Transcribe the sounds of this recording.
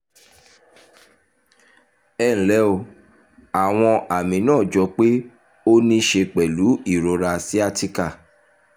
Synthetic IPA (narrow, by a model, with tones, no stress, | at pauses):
ɛː˦˨ñ̩˨˦lɛ˨˦o˧ | a˨w̃ɔ̃˧ʔa˨mĩ˨˦nãː˦˨d͡ʒɔ˨˧k͡pe˦ | o˦nĩ˦ʃe˧k͡pɛ˨lu˨˦i˦˨ɾo˨˧ɾa˧si˦a˦ti˦ka˦˨